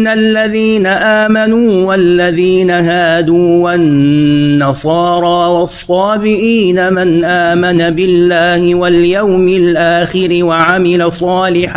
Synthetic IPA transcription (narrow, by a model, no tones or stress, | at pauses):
nalːaðiːnaʔaːmanuːwalːaðiːnaɦaːd̪uːwanːɑsˤɑːɾˤɑːwɑsˤːɑːbɪʔiːnamɪnʔaːmanabɪlːaːhɪwaljawmɪlʔaːxɪɾɪwaʕamɪlasˤɑːlɪħ